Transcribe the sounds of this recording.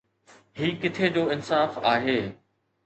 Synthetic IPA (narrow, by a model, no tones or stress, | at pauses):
ɦiːkɪt̪ʰed͡ʑoːɪnsaːfaːɦeː